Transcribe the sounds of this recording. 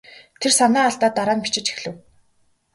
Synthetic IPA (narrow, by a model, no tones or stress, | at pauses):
t̪ʰersanæːaɬt̪aːt̪ːaɾaːmpit͡ɕɪ̆t͡ɕi̥xɮɘ̆w